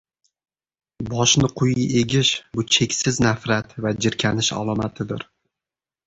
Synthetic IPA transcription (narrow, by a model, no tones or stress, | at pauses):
bɒʃnɪqʰʊjɪeɡʲɪʃbʊt͡ʃʰe̞kʲsɪznafɾat̪vad͡ʒɪɾkʲʰanɪʃa̰lˠɒmat̪ʰɪd̪ɪ̰ɾ